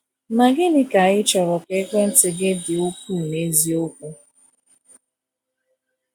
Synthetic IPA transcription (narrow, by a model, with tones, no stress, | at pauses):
ma˨ɡɪ˦nɪ˦ka˨ɣɪ˦t͡ʃɔ˨ɾɔ˨ke˦kʷe˦n̩˦tɪ˨ɡɪ˦dɪ˨o˦ku˦˨ne˦zi˦o˦kʷʊ˦